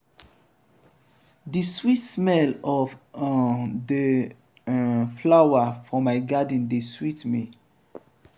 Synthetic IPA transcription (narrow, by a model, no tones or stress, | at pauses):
diswitsmɛlɔf | də | flawafɔmaɪɡad̃n̩deswitmi